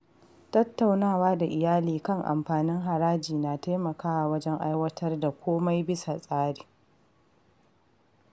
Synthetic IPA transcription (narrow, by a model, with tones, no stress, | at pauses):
tɐ˦tːa˨wnaː˦˨waː˦da˨ʔɪ˨jaː˦liː˨kɐ˦˨ŋʔa̰˨mɸaː˨nɪ˦ŋɦa˨ɾaː˦d͡ʒiː˨naː˨taː˦mɐ˨kaː˦wa˨wɐ˦d͡ʒɛ˦ŋʔa˦jwɐ˦tʰɐ˦rda˨kʷʰoː˦ma˦jbɪ˦sa˨sʼaː˦ɽiː˨